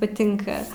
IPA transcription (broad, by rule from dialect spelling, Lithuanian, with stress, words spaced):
pɐˈtʲɪŋkɐ